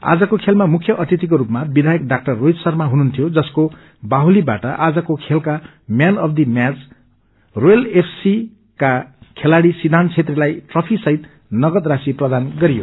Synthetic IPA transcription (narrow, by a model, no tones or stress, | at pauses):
a̰d͡zʌkokʰelmamukʰjʌʔʌt̪it̪ik̬oɾupmabid̪ʱajʌkɖak̚ʈʌrːojd̪sʌrmaɦununt̪ʰijod͡zʌsko | baɦulibaʈʌʔad͡zʌkokʰelka | mjanʌpʰd̪imjat͡s | rojʌlepʰsi | kakʰelaɽisid̪ʱant͡sʰet̪relajʈrʌpʰisʌɦit̪ | nʌɡʌd̪rasiprʌd̪anɡʌɾijo̰